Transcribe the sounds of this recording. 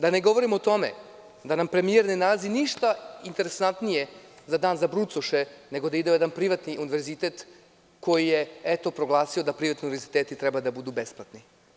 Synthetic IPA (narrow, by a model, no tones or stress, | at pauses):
d̪aneɡo̞ʋo̞ɾimot̪o̞mḛ | d̪anampɾe̞mije̞ɾne̞nalaziniʃt̪aint̪e̞ɾesant̪nije̞ | zad̪aːnzabɾut̪soʃene̞ɡo̞d̪aid̪eojed̪anpɾiʋat̪niʔuniʋe̞ɾzit̪eːt̪ | ko̞jijeet̪o̞pɾo̞ɡlˠaːsiod̪apɾiʋat̪niunivʋɾzit̪eːt̪it̪ɾɛbad̪abud̪ube̞splˠat̪ni